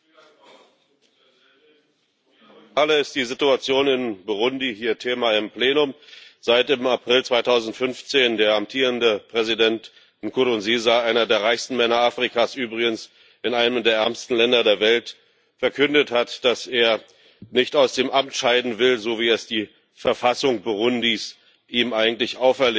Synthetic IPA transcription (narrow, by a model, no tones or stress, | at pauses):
ʔaləɪstd̥iːzituat͡sjoːnɪnbʊʁʊndiɦiːɐtʰeːmaɪmpl̥eːnʊmz̥aɪtɪmapʁ̥ɪlt͡sv̥aɪtʰaʊzn̩tfʏnft͡seːndeːɐamtʰiːʁ̞əndəpʁ̥ɛzidɛnt | ɪnkʰʊdʊnziːzaʔaɪnɐdeːɐʁaɪçstn̩mɛnɐaːfʁ̥ikʰaːsʔyːbʁɪɡəns | ʔɪnaɪnəmdeːɐʔɛɐmstn̩lɛndɐdeːɐvɛlt | fɛɐkʰʏndəthatd̥aseːɐ | nɪçtaʊsd̥eːmʔamtʃaɪdn̩vɪlzoːviːɛsd̥iː | fɛɐfasʊŋb̥uʁʊndis | ʔiːmʔaɪɡŋ̩tlɪçʔaʊfɛɐleː